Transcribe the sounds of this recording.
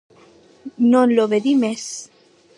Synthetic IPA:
nõnloβeðimes

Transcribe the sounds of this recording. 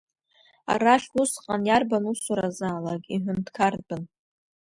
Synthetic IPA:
a̰ɾaʃʊsqʼanjarbanusaɾazaːlakʼiħʷʊntkʰarbɨn

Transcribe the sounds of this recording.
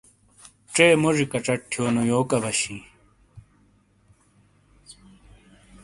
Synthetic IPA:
ʈ͡ʂeːmoʐikɐʈ͡ʂɐʈʈʰjoːnojoːkɐbɐɕi

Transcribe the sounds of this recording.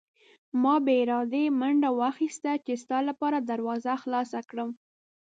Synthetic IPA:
mɑbeɪɾɑd̪emaɳɖawaxist̪at͡ʃest̪ɑlapɑɾad̪aɾwɑzaxlɑsakɽəm

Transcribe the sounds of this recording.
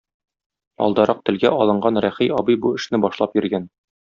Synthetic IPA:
ɒ̰lˠd̪ɑɾɑq̚t̪ɘ̆lɡæʔɒlˠɤ̆ɴɢɑnɾæχijɒbɤjbuɘ̆ʃnɘbɒʃlˠɑpjɘ̆ɾɡæn

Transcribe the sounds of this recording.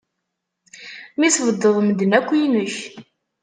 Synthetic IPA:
misvəd̪ːəðˤmd̪ənækʷːijnəç

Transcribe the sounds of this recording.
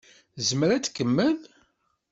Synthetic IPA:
zəmɾæt͡sːkːəmːəð

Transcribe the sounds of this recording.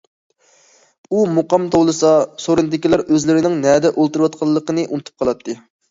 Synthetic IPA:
umuqɑmt̪ʰowlˠɨsɑsoɾɨnɨd̪ɪkʲilˠæɾøzlɪɾɪnɪŋnɛd̪ɛʔolˠt̪uɾwɑt̪̚qʰɑlˠːəqənɨʔunɨt̪ʰu̥p̚qʰɑlˠɑt̪ʰːɨ

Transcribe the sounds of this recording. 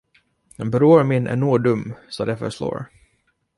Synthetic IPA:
ɛnbɾoːɾmɪnːʔæ̰ɳoːd̪ɵmːsɑːd̪ɛfœ̰ʂlo̰ːɾ

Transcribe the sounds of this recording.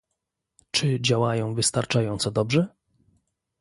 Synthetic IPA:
t͡ʂɘd͡ʑawajɔ̃w̃vɘst̪aɾt͡ʂajɔnt̪sɔd̪ɔbʐɛ

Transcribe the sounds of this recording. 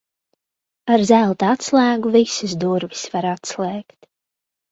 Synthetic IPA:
aɾzælˠt̪aat̪slˠæːɡuvisɨs̬d̪uɾvi̥svaɾat̪slˠɛːkt̪

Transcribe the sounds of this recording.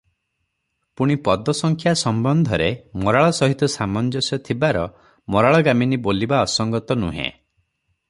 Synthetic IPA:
puɽ̃ipɔd̪ɔsɔŋkʰjasɔmbɔnd̪ʱɔɾemɔɾaɭɔsɔɦit̪ɔsamɔnd͡ʒɔsjɔt̪ʰibaɾɔ | mɔɾaɭɔɡaminibolibaɔsɔŋɡɔt̪ɔnṵɦḛ̃

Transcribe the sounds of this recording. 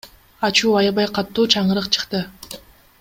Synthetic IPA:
ɑt͡ʃuːɑjɑβɑjqʰɑt̪ːuːt͡ʃʰɑɴɯɾɯqt͡ʃʰɯ̥qt̪ɯ

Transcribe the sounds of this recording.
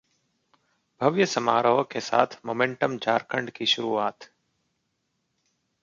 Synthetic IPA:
bʱɐʋjəsəmaːɾəʋəkʰeːsa̰ːt̪ʰmoːmẽɳʈəmd͡ʒʱaːɾkʰəɳɖkʰiːʃʊɾuːaːt̪

